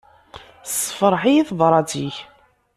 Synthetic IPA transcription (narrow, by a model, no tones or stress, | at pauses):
sfəɾˤħijiθðˤɾˤɑt͡siç